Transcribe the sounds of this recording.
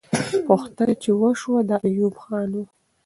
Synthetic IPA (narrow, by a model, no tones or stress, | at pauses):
puxt̪anat͡ʃewəʃwad̪əajubxɑnu